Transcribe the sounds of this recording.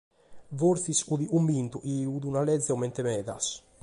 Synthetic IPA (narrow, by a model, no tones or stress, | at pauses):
voɾθisuðiʔumbint̪uʔiuðunalɛd̪zːɛɔmɛnt̪ɛmɛːða̰s